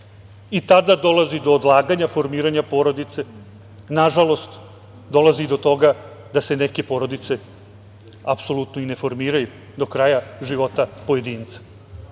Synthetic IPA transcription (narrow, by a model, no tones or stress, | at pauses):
it̪ad̪ad̪o̞lˠazid̪o̞ːd̪lˠaːɡaɲafo̞ɾmiːɾaɲapo̞ːɾo̞d̪it̪se̞ | naʒalo̞st̪ | d̪o̞lˠazid̪o̞t̪o̞ɡad̪aseneke̞po̞ɾo̞d̪it̪se̞ | apso̞lˠut̪noine̞fo̞ɾmiːɾaju | d̪o̞kɾajaʒiʋo̞t̪apoje̞d̪iːnt̪sḁ